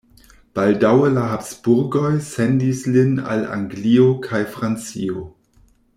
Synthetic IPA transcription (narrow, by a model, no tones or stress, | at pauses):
b̥aldawəlaɦapsb̥uɾɡo̞jsendislina̰la̰ŋɡliokʰajfɾant͡sḭo